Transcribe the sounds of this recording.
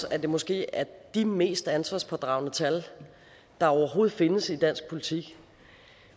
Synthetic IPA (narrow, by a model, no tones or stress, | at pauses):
æd̥e̝mɔ̽sɡ̥e̝̰ːæɐd̥ime̝̰ːsd̥ænsʋɑ̈ːspʰɒ̽d̥ʁɑ̈ʊnət͡sʰæl | d̥ɑ̈ɒʊɐɦo̝ːð̩ˠfe̝nəsid̥æn̰sɡ̥̚pʰo̝lit͡sʰiɡ̥